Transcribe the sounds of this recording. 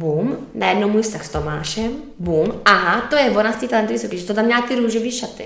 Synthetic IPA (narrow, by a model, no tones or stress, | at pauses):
buːmnajɛdnowmuːjst̪axst̪oma̰ːʃɛm | buːmʔaɦat̪ojɛvonast̪iːt̪alɛnt̪vʋisokiːʒɛt̪ot̪amɲaːkiɾuːʒoviːʃat̪ɪ̰